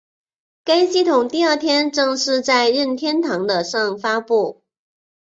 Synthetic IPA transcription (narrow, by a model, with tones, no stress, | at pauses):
ke˥ɪɕi˥˩t̪ʰʊ˨˩ŋt̪i˥˧ə˞˥˩t̪ʰjɛ˥nʈ͡ʂɤ˥˧ŋʂɻ̩˥˧t͡sa˥˧ɪɻə˥˩nt̪ʰjɛ˥nt̪ʰɑ˧˥ŋd̪ə˧ʂɑ˥˩ŋfa˥pu˥˩